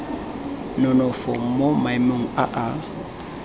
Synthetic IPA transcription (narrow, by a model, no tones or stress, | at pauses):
nonɔfɔmomajmoŋ̩aʔa